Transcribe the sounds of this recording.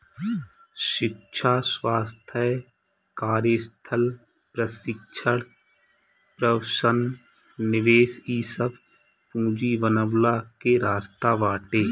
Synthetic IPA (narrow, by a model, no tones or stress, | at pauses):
ʃɪk̚ʃʰaswaːst̪ʰə | kaːɾjəst̪ʰəl | pɾəsɪkʃʰəɽ | pɾəʋʃənː | ɪʋeːsiːsəb | pũːd͡ʒiːʋənəʋlakeɾaːst̪aʋaːʈeː